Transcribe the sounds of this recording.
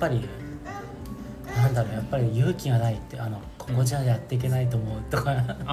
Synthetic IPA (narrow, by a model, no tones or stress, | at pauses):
pːaɾʲi | nãnd̪aɾo̞japːaɾʲijɯ̟ːkʲiɡanait̪ːeano̞kʰo̞̥ko̞ʑiajat̪ːe̞ik̬ʲe̞nait̪̬o̞ːmo̞ɯ̟t̪o̞ka